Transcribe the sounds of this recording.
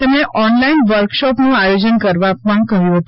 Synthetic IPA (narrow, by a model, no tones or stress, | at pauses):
əmneʔɔnlainʋəɾkʃɔpnũajod͡ʒənkəɾʋapəɳkəɦjũɦət̪